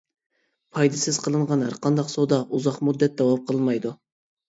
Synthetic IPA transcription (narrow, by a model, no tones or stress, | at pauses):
pʰɑjd̪ɨsɪz̥qʰəlˠɨɴʁɑnæ̰ɾqʰɑnd̪ɑqsod̪ɑʔuzɑqmud̪ːɛt̪̚d̪ɑwɑp̚qʰəlˠmɑjd̪u